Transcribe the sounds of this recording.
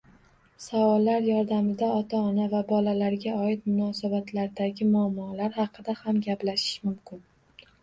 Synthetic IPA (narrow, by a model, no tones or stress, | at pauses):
savɒlːaɾjɒɾd̪amɪd̪aɒt̪ʰaɒnavabɒlalaɾɡʲaɒɪt̪mʊnɒsabat̪ʰlaɾd̪aɡʲɪmʊamːɒlaɾhɑqɨd̪ahamɡʲaplaʃɪ̥ʃmʊmkʲʰɪn